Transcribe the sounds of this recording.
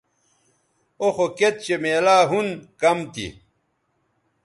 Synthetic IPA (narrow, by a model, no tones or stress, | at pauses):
oxoket̪̚t͡ɕemeːlaːɦunkɐmt̪ḭ